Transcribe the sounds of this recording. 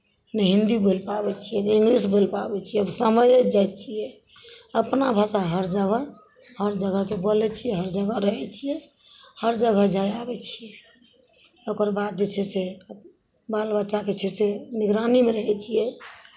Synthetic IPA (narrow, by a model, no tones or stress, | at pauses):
nɛɦind̪ibolpabɛt͡ʃʰijɛnĩŋɡɾisbolpabɛt͡ʃʰijɛbsəməjd͡ʒajt͡ʃʰijɛ | əpnabʱasaɦəɾd͡ʒəɡə | həɾd͡ʒəɡəkebolɛt͡ʃʰijɛɦəɾd͡ʒəɡəɾəɦɛt͡ʃʰijɛ | həɾd͡ʒəɡəd͡ʒajabɛt͡ʃʰijɛ | okəɾbad̪̚d͡ʒet͡ʃʰɛse | balbətːʃaket͡ʃʰɛseniɡɾanimeɾəɦɛt͡ʃʰijɛ